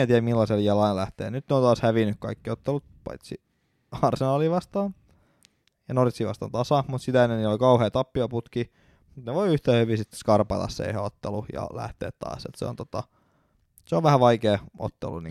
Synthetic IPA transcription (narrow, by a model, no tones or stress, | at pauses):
æt̪iæmilːɑseljɑlɑillæht̪ḛːnyt̪neont̪ɑːshæʋinːykkɑ̰ikːiot̪ːelut̪̚pɑ̰it̪si | hɑrsenɑːliʋɑst̪ɑːn | jɑnorit̪siːʋɑ̰st̪ɑ̰nt̪ɑsɑmut̪sit̪æenːeniolikɑuheːt̪ɑpːiɑput̪ki | mut̪neʋoiyht̪æːhyʋisit̪ːe̥skɑrpɑ̰t̪ɑ̰ssḛiheot̪ːelujɑ̰læ̰ht̪ḛːt̪t̪ːɑ̰ːsḛt̪sḛo̰nt̪ot̪ɑ̰ | seoʋʋæhæʋɑikeːo̰t̪ːḛlṵnḭ